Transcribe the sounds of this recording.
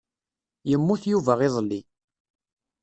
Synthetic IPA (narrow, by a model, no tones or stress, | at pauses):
jəmːuθjuvæʁɪðˤlːi